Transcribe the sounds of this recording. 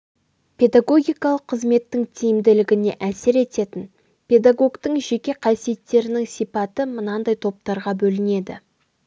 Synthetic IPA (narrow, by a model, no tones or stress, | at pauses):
pʰʲe̞d̪aɡo̞ɡʲijkɑlˠəqʰːəzme̞t̪ːɪŋt̪ʰijɪmd̪ɪlɪɡʲɪne̞̰ʔæsɪɾe̞t̪e̞t̪ɪn | pʰʲe̞d̪aɡo̞ɡt̪əŋʒe̞kʲe̞qʰɑsije̞t̪ːe̞ɾɪnɪŋsijpɑt̪əmʊnɑnd̪ɑjt̪ʰo̞p̚t̪ɑɾʁɑbɵlɪne̞d̪ɪ̰